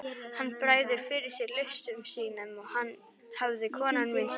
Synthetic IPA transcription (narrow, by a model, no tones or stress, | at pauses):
hanːbɾaːjðɪɾfɪɾɪsɪɾlɪʃt̪ʏmʃiːnəmɔhan | hawvðɪkʰɔːnanɪn